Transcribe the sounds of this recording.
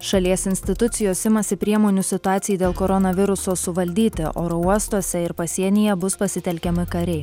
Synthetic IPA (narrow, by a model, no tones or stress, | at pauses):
ʃɐlʲiɛsɪnʲsʲt̪ʲɪt̪ʊt̪sʲɪjoːsɪmɐsʲɪpʲɾʲiɛmoːnʲuːsʲɪt̪ʊɑːt̪sʲɪjiːd̪ʲeːlˠkoɾɔnɐʋʲɪɾʊsoːsʊʋɐlʲd̪ʲiːt̪ʲɪʔo̰ːɾouɔst̪oɔsʲɛɪɾpɐsʲiɛnʲɪjɛbʊspɐsʲɪt̪ʲɛlʲkʲɛmʲɪkɐɾʲɛɪ